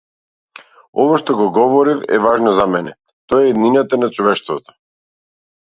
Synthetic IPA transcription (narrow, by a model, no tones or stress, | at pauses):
ɔvaʃt̪ɔɡɔɡɔvɔɾifɛ̰vaʒnɔzamɛnɛ | t̪ɔjɛid̪ninat̪anat͡ʃɔvɛʃt̪vɔt̪ɔ̥